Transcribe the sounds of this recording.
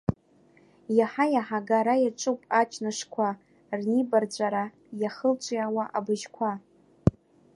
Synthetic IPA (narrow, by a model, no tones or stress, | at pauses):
jaħajaħaɡaɾajaʈ͡ʂʼɨpʼat͡ʃʰnaʂkʷʰa | rnibard͡zʷʼaɾa | jaχəlt͡ʃʷʼiawaʔabɨʒkʷʰa